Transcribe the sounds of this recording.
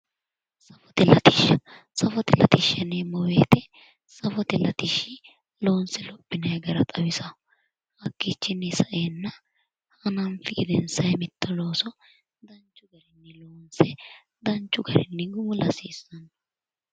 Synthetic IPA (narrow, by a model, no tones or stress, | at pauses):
sɐfɔt̪ɛlɐt̪ɪʃːɐ | sɐfɔt̪ɛlɐt̪ɪʃːɐnemɔweːt̪ɛ | sɐfɔt̪ɛlɐt̪ɪʃɪ | lo̞ːnsɛlɔpʼːɪnɐjɡɐɾɐt̪ʼɐwɪsɐ | hɐkːit͡ʃːɪnːɛsɐʔeːnːɐ | hɐnɐnfɪɡɪd̪ɛnsɐjmɪt̪ʰːɐlo̞ːsɔ | d̪ɐnt͡ʃːʊɡɐɾɪnːɛloːnsɛ | d̪ɐnt͡ʃːʊɡɐɾɪ̰nːɛɡʊmʊlɐsiːsːɐn